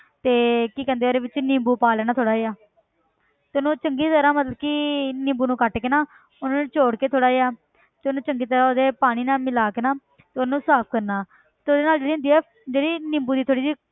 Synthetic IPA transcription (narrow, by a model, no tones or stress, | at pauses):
t̪eːkiːkɛ̃ːnd̪eːoːd̪eːʋɪt͡ʃnɪ̃mbuːpaːlɛːnaːt̪ʰoːɽaːeːaː | t̪eːʊnũːt͡ʃəŋɡiːt̪əɾãːmət̪ləb̚kɪnɪ̃mbuːnũːkəʈkeːnaː | ʊnaːñːt͡ʃoːɽkeːt̪ʰoːɽaːeːaː | t̪eʊnũːt͡ʃəŋɡiːt̪əɾãːoːd̪eːpaːɽ̃iːnaːmɪlaːkeːnaː | t̪eːʊnːnũːsaːp̚ʰkəɾnaː | t̪eoːd̪eːnaːld͡ʒeːɽiːʊ̃nd̪iːɛː | d͡ʒeːɽiːnɪ̃mbuːd̪iːt̪ʰoːɽiːd͡ʒiː